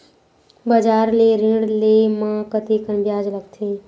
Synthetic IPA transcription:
bəd͡ʒaːɾleɾĩɽlemãkət̪ekənbjaːd͡ʒləɡt̪ʰe

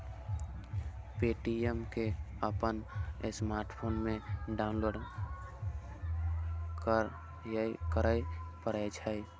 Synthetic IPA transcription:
peːʈiemke | əpənɪsmaːɾʈpʰoːnmẽɖaʊ̃nloːɖ | kə | kəɾəjpəɾəd͡ʒʰai

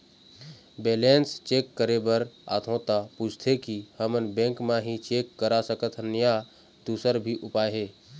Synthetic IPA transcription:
beːlenst͡ʃeːkːəɾebəɾa̰ːt̪ʰõt̪apuːt͡ʃʰt̪ʰekihəmənbẽːŋkmãɦĩt͡ʃeːkːəɾasəkət̪ʰnja | d̪̥uːsəɾbʱiʔʊpaːɦe

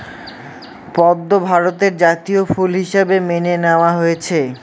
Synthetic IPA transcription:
pɔd̪ːobʱaɾot̪eɾd͡ʑat̪iofulɦiʃebemeneneoaɦojet͡ɕʰe

